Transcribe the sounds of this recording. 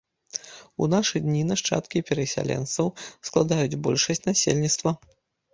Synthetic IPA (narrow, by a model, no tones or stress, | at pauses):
unaʂɨd̪ʲnʲinaʂt͡ʂa̰t̪kʲipʲɛɾɐsʲa̰lʲɛ̰nsɐwsklˠad̪ajud͡zʲbɔlʲʂɐsʲt͡sʲnasʲelʲnʲit̪st̪vɐ